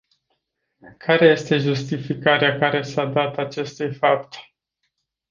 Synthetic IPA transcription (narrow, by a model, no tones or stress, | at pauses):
kʰaɾe̞je̞st̪e̞ʒust̪ifikaɾeakaɾe̞sad̪at̪at͡ʃe̞st̪ujfap̚t̪